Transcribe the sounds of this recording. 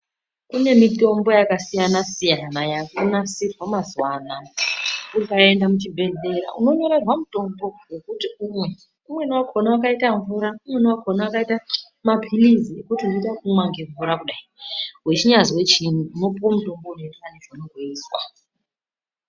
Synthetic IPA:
kune̞mito̞mbo̞jakasijanasijanajakunasirwamazwana | ukae̞ndamut͡ʃibʱe̞ɮe̞ɾa̰ʔṵno̞ɲo̞ɾarwamuto̞mbo̞we̞kutiumwe̞ | umwe̞nwakʰonawakaitaɱvuɾaumwe̞nuwakʰonawakaita | mapʰiliziekutiunoitakumwaŋɡe̞ɱvuɾakuɗaiɦwet͡ʃiɲaziwe̞t͡ʃinuːno̞puomuto̞mbo̞unoitaniʐanoɡʱeiːswa

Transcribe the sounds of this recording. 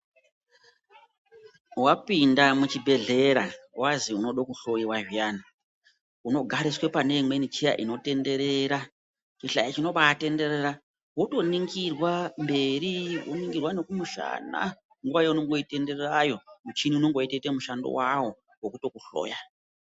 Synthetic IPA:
wapindamut͡ʃibʱe̞ɮe̞ɾawaziuno̞ɗokuɬo̞jiwaʒijaːna | uno̞ɡʱaɾiswe̞pane̞mwe̞nit͡ʃija̰ʔino̞te̞nde̞ɾe̞ɾa | t͡ʃiɬajat͡ʃino̞ɓaːte̞nde̞reɾa | woto̞niŋɡirwambe̞ɾiwo̰niŋɡirwane̞kumuʃa̰na̰ | ŋɡuwajeunoŋɡo̞ite̞nde̞rerajo̞mut͡ʃiniuno̞ŋɡoitetemuʃando̰wawo | wokuto̞kuɬo̰ːja

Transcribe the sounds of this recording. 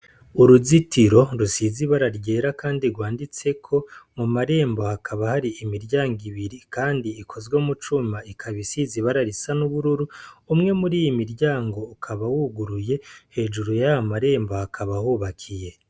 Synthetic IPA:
uɾuzitiɾo̞ɾusiziβaɾaɾɟe̞ːɾakaːndiɾɡwaːndit͡se̞kʰo̞mumaɾe̞ːmbo̞hakʰaβahaɾiimiɾɟaːŋɡiβiɾikaːndiːkʰo̞zɡomut͡ʃumaikʰaβisiziβaɾaɾisanuβuɾuɾuːmŋe̞muɾiːjimiɾɟjaːŋɡo̞ukʰaβawuɡuɾuje̞he̞ːd͡ʒuɾujahamaɾe̞ːmbo̞hakʰaβahuːβakʰije̞

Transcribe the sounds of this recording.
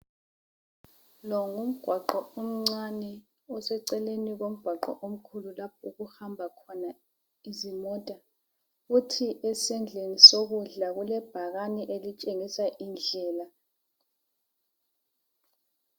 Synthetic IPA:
lɔŋum̩ɡ̥ʱwaǃɔom̩ŋ͡ǀanɛ | ɔsɛǀɛleniɣom̩ɡ̥ʱwaǃɔ̰ʔom̩kʰululap̚ʰuɣuxambʱakʰɔna | izimɔːtʼa | futʰiʔɛsɛnd͡ɮʱenisoɣuɮaɣulɛb̥ʱaɣaniʔelit͡ʃʼeŋisaʔind͡ɮʱɛːla

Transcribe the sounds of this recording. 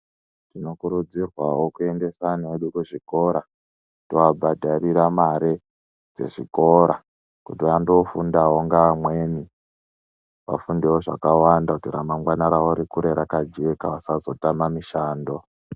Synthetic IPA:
tino̞kuɾud͡zirwawo̞kue̞nde̞saneɗukuʐiko̞ɾa | tiwabʱadʱaɾiɾamaɾe | d͡ze̞̰ʐiko̞ɾa | kutiʋandofundawoŋɡaamwe̞ni | ʋa̰fundewoʐa̰kawandakutira̰maŋɡwanaɾaoɾikuɾeɾakad͡ʒekawasazo̞tamamiʃaːndo̞

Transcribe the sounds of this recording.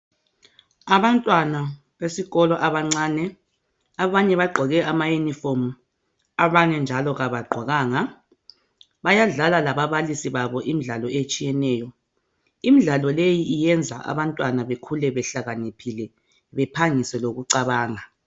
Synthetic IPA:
aβantʼwana | βesiɣɔlɔʔaβaŋ͡ǀaːnɛ | aβaɲɛβaɡ͡ǃʱɔɣɛʔamajunifomu | aβaɲɛnd͡ʒʱalɔɣaβaɡ͡ǃʱwaɣaːŋa | βajaɮalalaβaβalisiβaβɔʔim̩ɮalɔet͡ʃʼijɛnɛːjɔ | imiɮalɔlejiːjɛnd͡zʱa̰ʔa̰βantʼwanaβekʰulɛβɛɬaɣanipʰilɛ | βɛpʰaŋisɛloɣuǀaβaːŋa

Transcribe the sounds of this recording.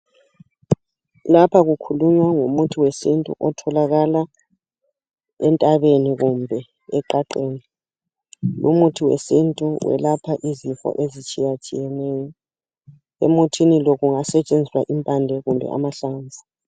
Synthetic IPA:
lapʰaɣukʰuluɲwaŋumutʰiwesintʼṵʔɔtʰɔlaɣala | ɛntʼaβeniɣumbʱɛ | ɛǃaǃeːni | lṵmutʰiwḛsintʼuwʔɛ̰lapʰaʔiziɱfɔ̰ʔezit͡ʃʼijat͡ʃʼḭjɛnɛːjɔ | ḛmutʰiniloɣuŋasɛt͡ʃʼend͡zʱiswaʔimpʼandʱɛɣumbʱɛ̰ʔa̰maɬaːnd͡zʱi̥

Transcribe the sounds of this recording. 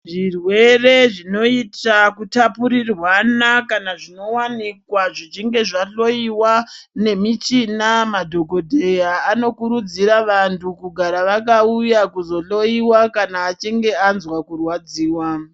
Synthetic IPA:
ʐirwe̞re̞ʐino̞itakutapuɾirwanakanaʐino̞wanikwaʐit͡ʃiŋɡe̞ʐaɬo̞iwane̞mit͡ʃinamadʱoɡʱo̞dʱe̞jaːno̞kuɾud͡ziɾaʋantʰukuɡʱaɾaʋakaujakuzo̞ɬo̞iwakanaːt͡ʃiŋɡe̞anzwakurwad͡ziːwa

